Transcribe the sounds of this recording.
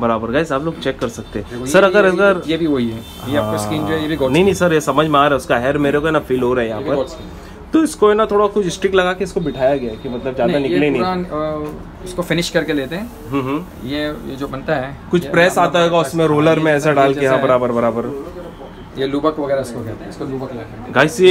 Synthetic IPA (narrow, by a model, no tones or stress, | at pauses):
bɐɾaːbəɾɡaːɪsaːploːɡt͡ʃɛːkːɐɾsɐk̚t̪eɦɛ̃sɐɾɐɡəɾɐɡəɾjebʱiʋoiɛ | jeaːpːkaskiːnd͡ʒoɦɛjebʱiɡɔnɐɦĩnɐɦĩsɐɾjesɐməd͡ʒʱmẽaːɾaɛʊskaɦɛɾmeːɾekoɛːnafiːlɦoɾaɦɛjɐɦãpɐɾ | t̪oɪskoɛnat̪ʰoːɽakʊt͡ʃʰɪsʈɾɪklɐɡakiɪskobɪʈʰaːjaɡɐjakimɐt̪ləbzjaːd̪anɪlenɐ̃ɦan | ʊskofɪnɪʃkɐɾkeleːt̪eɦɛ̃ː | ɦə̃ːɦ | jejed͡ʒoːbɐnt̪aɦɛkʊt͡ʃʰpɾɛːsaːt̪aɦoːɡaʊsmẽɾoːləɾmẽɛːsaɖaːlkejɐɦãbɐɾaːbəɾbɐɾaːbəɾ | jeluːbəkʋɐɡɛːɾaɪskoɡɛt̪ɪsolukː | ɡaːjsi